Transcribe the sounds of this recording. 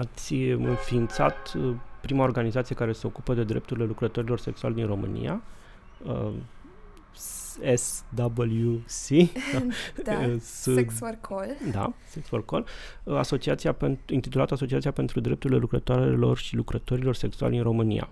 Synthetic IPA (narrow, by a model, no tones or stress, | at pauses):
at̪sʲɨnfiːnt̪sa̰t̪pɾimao̞rɡanizat̪sijekaɾe̞se̞o̞kupəd̪e̞d̪ɾe̞̰p̚t̪uɾile̞lukɾət̪o̞ɾilo̞rseksua̰lʲd̪inro̞mɨ̰nḭja̰ | esd̪abəljusi | sʰ | old̪a̰seksorkol | a̰so̞t͡ʃiat̪sijapenint̪it̪ulat̪aso̞t͡ʃiat̪siape̞nt̪ɾud̪ɾe̞p̚t̪uɾile̞lukɾət̪oaɾelo̞̰rʃilukɾət̪o̞ɾilo̞rse̞ksua̰lʲd̪inro̞mɨnḭja̰